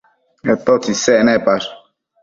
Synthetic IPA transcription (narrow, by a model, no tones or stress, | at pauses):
ɛt̪ɔtisɛnɛpas